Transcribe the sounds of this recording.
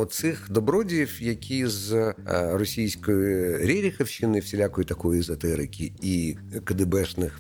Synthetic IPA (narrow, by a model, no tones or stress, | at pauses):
ɔsɪxd̪ɔbɾɔdʲiwjɐkʲiz | rɔsʲijsʲkɔjʊɾʲɛɾʲixɐwʃɪnɪwsʲɪlʲakɔjʊt̪ɐkɔjʊzɐt̪ɛɾɪkʲii | kɐd̪ɪbɛʃnɪx